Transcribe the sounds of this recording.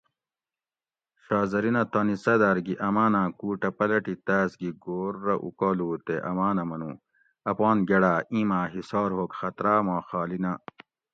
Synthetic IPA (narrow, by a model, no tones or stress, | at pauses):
ɕaːzɐɾinɐt̪ɐːnisɐd̪aːɾɡiʔɐmaːnãːkuːʈɐpɐlɐʈit̪aːsɡiɡoːɾːɐʔṵkoːluːt̪eʔɐmaːnɐmɐnũː | ɐpɑːnɡeɽaːĩːmaːɦisɑːɾhoːkxɐt̪ɾaːmaːxaːlina